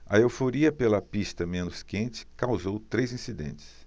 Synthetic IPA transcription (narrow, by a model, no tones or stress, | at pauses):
ɐewfoɾiɐpelɐpist̪ɐmẽnʊskẽnt͡ʃɪ̥kawzowt̪ɾejzĩsid̪ḛ̃nt͡ʃɪ̥s